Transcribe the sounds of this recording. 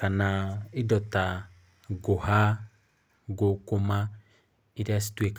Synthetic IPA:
kanaidɔta | ɡoha | ɡokoma | iɾeasi̥twek

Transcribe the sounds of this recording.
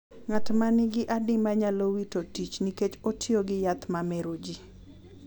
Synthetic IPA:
ŋatmanɪɡɪʔadɪmaɲalowitotit͡ʃniket͡ʃotʰjoɡɪjat̪mamɛɾod͡ʒi

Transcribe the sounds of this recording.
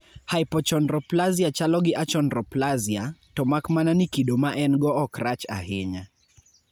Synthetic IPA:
hajpɔt͡ʃɔndrɔplaziat͡ʃalɔɡɪʔat͡ʃɔndɾɔplaziatɔmakmananikidomaʔɛnɡɔɔkɾat͡ʃa̰ɦɪɲa

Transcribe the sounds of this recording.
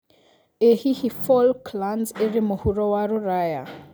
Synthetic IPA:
ehihifɔlkʰlanzerimʊhurɔwaɾuraːja̰

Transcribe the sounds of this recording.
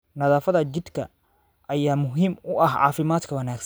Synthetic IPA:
nɐðaːfɐðɐt͡ʃɪd̪kʰɐ̰ | ʔɐjaːmʊɦimʊʔɐhʕɑ̰ːfɪmaːd̪kʰɐwɐnaːɡsɐ

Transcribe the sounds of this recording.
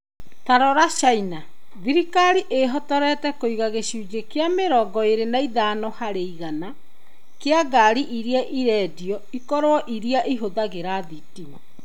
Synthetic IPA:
taɾɔɾaɕaina | ðiɾikaɾiʔeɦɔtɔɾɛtɛkoiɣaɣeɕuːd͡ʑekeameɾɔɡɔeɾenaiðaːnɔhaɾeiɣana | keaɡaɾiʔiɾiaʔiɾɛːdiɔ | ikɔɾowɔʔiɾiaʔiɦoðaɣeɾaðitima

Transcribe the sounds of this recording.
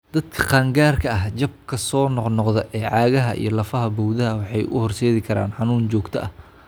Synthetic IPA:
d̪̥ɐd̪kʰɐ̥qɑːŋɡaːrkʰɐɐɦt͡ʃɐb̚kʰɐsɔːnɔqnɔqðɛʔɛːʕɑːɣɐɦɐʔḭjɞlɐfɐɦɐbɔwðɐɦɐwɑħɑjʊhɔrsɛːðɪkʰɐɾa̰ːnħɑnuːnt͡ʃɔːɡt̪ʰɐʔɐh

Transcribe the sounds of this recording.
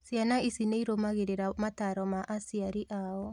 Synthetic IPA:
sianaisineiɾomaɣeɾeɾamataɾɔmaʔasiaɾiʔaɔ

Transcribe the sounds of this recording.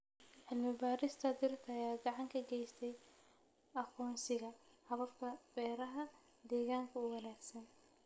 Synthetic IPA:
ʕɪlmɪbaːɾɪst̪ʰɐd̪ɪrt̪ʰɐːjaːɡɑʕɑŋkʰɐɡɛjst̪ʰɛj | ɐqʰɔːnsɪɣɐhɐβɐfkʰɐbɛːɾɐɦɐ | d̪ɛːɣaːŋkʰɐʊwɐnaːɡsɐn

